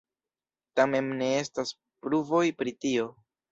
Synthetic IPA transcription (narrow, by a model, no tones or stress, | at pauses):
tame̞mne̞e̞stas | pɾuvo̞jpɾitio̞